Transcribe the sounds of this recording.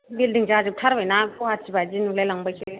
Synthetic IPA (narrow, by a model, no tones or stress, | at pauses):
bildiŋd͡ʒaazɯp̚tʰaɾbajnapʰɔhat̚sibazinuklajlaŋbajse